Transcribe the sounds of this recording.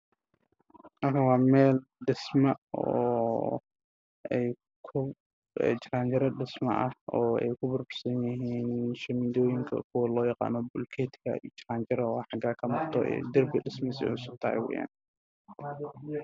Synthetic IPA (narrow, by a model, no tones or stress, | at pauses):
mɐrkʰɐnwɑːmɛːlɖɪsmɐɔː | ɛj | kʰʊ | ɛ̰ːt͡ʃraːnt͡ʃɐɾɐɖɪsmɐ̰ʔɐ̰hɔːɛ̰jkʰʊbʊrbʊrsɐnjɪɦiːnʃɐmɪd̪ɔːjɪŋkʰɐ̰kʰʊwɐlɔːjɑqa̰ːnɔbʊlkʰɛːt̪kʰɐ̰ḭt͡ʃɪraːnt͡ʃɐɾɐwɑːħɑɡaːkʰɐmʊrt̪ʰɔʔɛ̰ːd̪ɪrbɪɖɪsmsɪ̰ʊsʊɡ̚t̪ʰɐhɛ̰jwɛ̰ːja̰ːn